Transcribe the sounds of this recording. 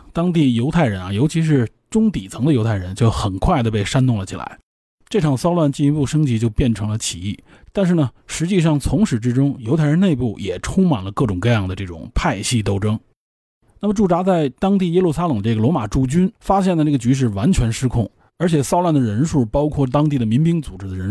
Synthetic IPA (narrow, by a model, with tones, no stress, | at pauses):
t̪ɑ˥ŋt̪i˥˩jo˧˥ʊt̪ʰa˥˩ɪɻə˧˥na˧˩jo˧˥t͡ɕʰi˧˥ʂ̬ɻ̩˥˧ʈ͡ʂʊ˥ŋt̪i˨˩t͡sʰɤ˧˥ŋd̪ə˧jo˧˥ʊtʰa˥˩ɪɻə˧˥nt͡ɕjo˥˩ʊxə˨˩nkʰwa˥˩ɪd̪ə˩pe˥˩ɪʂa˥nt̪ʊ˥˩ŋlə˩t͡ɕʰi˨˩la̰˧˥ɪ | ʈ͡ʂɤ˥˩ʈ͡ʂʰɑ˨˩ŋsɑ˥ʊlwa˥˧nt͡ɕi˥˩ni˧˥pu˥˩ʂɤ˥ŋt͡ɕi˧˥t͡ɕjo˥˧ʊpjɛ˥˩nʈ͡ʂʰɤ˧˥ŋlə˧t͡ɕʰi˨˩i˥˩ | t̪a˥˧nʂ̬ɻ̩˥˩nə˩ | ʂɻ̩˧˥t͡ɕi˥˧ʂ̬ɑ˥˩ŋt͡sʰʊ˧˥ŋʂɻ̩˧˥ʈ͡ʂɻ̩˥ʈ͡ʂʊ˥ŋjo˧˥ʊt̪ʰə˧˥ne˥˧ɪpu˥˩jɛ˨˩ʈ͡ʂʰʊ˥ŋma˨˩nlə˦kɤ˥˩ʈ͡ʂʊ˨˩ŋkɤ˥˧jɑ˥˩ŋd̪ə˩ʈ͡ʂɤ˥˩ʈ͡ʂʊ̰˨˩ŋpʰa˥˧ɪɕi˥˧t̪o˥˩ʊʈ͡ʂɤ˥ŋ | na˥˩mə˩ʈ͡ʂu˥˩ʈ͡ʂa˧˥t͡sa˥˩ɪt̪ɑ˥ŋt̪i˥˩jɛ˥lu˥˧˩sa˥lɤ˨˩ŋd̪ə˦ʈ͡ʂɤ˥˩ɡə˩lwɔ˧˥ma˨˩ʈ͡ʂu˥˩t͡ɕy˥nfa˥ɕ̬jɛ˥˩nd̪ə˩ʈ͡ʂɤ˥˩ɡə˩t͡ɕy˧˥ʂ̬ɻ̩˥˩wa˧˥nt͡ɕʰɥɛ˧˥nʂɻ̩˥kʰʊ˥˩ŋ | ə˞˧˥t͡ɕʰjɛ˨˩sɑ˥ʊlwa˥˩nd̪ə˩ɻə˧˥nʂu˥˩pɑ˥ʊkʰwɔ˥˩t̪̬ɑ˥ŋt̪i˥˩d̪ə˩mi˧˥ŋpi˥ŋt͡su˨˩ʈ͡ʂɻ̩˥d̪ə˧ɻə˧˥n